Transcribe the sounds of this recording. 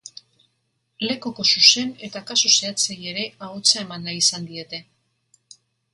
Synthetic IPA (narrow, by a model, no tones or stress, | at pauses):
le̞ko̞ko̞suse̞ne̞t̪akasose̞at͡seje̞ɾe̞aot͡sae̞manːaisand̪ie̞t̪e̞